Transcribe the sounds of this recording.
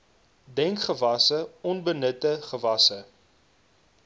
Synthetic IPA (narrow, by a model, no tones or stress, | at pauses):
dɛŋkχəvɐsəɔnbənətəχəvɐsə